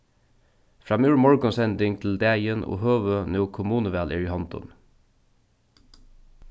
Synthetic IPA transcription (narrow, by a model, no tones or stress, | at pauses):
fɹɑːmuːɹmɔɹɡɔnsɛnd̪ɪŋt̪ʰl̩d̪eːɪjənʔo̰ːhøːʋønuʊkʰʊmuːnəʋæːlʔɪ̰ːɹɪhɑnt̪ɔ̰n